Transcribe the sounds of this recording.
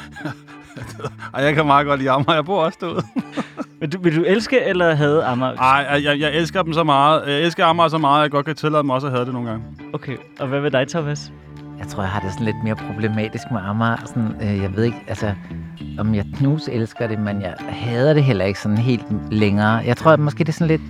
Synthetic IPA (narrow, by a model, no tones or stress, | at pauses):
d̥ɑ̈ɪjɑ̈ɪkʰæmɑ̈ːɡ̥ɒ̽d̥liːɑ̈mæjɑ̈ɪb̥o̝ɐ̰ɒ̽sd̥oð̩̰ˠmend̥uʋe̝ld̥uelsɡ̥əelɐɦɛð̞̩ˠɑmæɑ̈ɪ̰ɑjɑ̈ɪjɑ̈ɪelsɡ̥ðd̥emsɒ̽mɑ̈ːð̞̩ˠjɑɪelsɡ̥̩ˠɑmæsɒ̽mɑ̈ːðˠjɑ̈ɪɡ̥ɒ̽d̥̚kʰæt͡sʰe̝lɛ̥emɒ̽sɒɦæːð̞ˠd̥eno̝ːn̩ɡɑ̈ŋə | okʰe | ʔɒ̽ʋæʋe̝d̥ɑ̈ɪt͡sʰɒmæs | jɑaɪt͡sʰʁo̝ɐ̰jahɑ̈d̥e̝sɒ̽n̩le̝d̥me̝ːɐpʰʁo̝b̥le̝mɛ̰ːd̥isɡ̥̚meʔɑmæsɒ̽nøjɑ̈ɪʋe̝ð̞̰ˠe̝ɡ̥ælsəɒ̽mjɑ̈ɪkʰnuːselsɡ̥ɐɾ̥e̝menjɑɪhɛːð̞̩ˠɾ̥e̝ɦel̰ɐe̝ɡ̥sɒ̽n̩ɦe̝̰ːld̥leŋɐːjɑ̈ɪt͡sʰʁo̝ɐmɒ̽sɡ̥e̝̰ːd̥e̝sɒ̽n̩le̝d̥